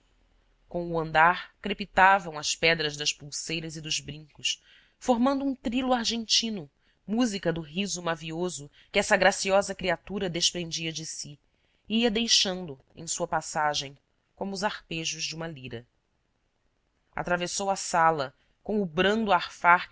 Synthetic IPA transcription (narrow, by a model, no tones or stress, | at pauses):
kõuɐ̃nd̪aɾkɾepit̪avɐ̃w̃ɐspɛd̪ɾɐzd̪ɐʃpuwsejɾɐzɪd̪ʊzbɾĩŋkʊʃ | foɾmɐ̃nd̪ʊũt̪ɾiluaɾʒẽnt͡ʃĩnʊ | muzikɐd̪ʊɦizʊmaviozʊ | kɪɛsɐɡɾasiɔzɐkɾiat̪uɾɐd̪eʃpɾẽnd͡ʒiɐd͡ʒɪsi | iɐd̪ejʃɐ̃nd̪ʊ | ḛ̃j̃suɐpasaʒẽj̃ | kõmʊzaχpeʒʊzd͡ʒɪũmɐliɾɐ | a̰t̪ɾavesowɐsalɐ | kõw̃ʊbɾɐ̃nd̪uaχfaɾ